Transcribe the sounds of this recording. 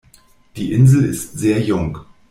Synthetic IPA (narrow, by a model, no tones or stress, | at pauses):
d̥iːʔɪnzl̩ɪstz̥eːɐjʊŋ